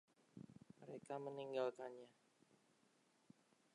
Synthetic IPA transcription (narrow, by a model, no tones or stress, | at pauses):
məɾekaməniŋɡalkanɲa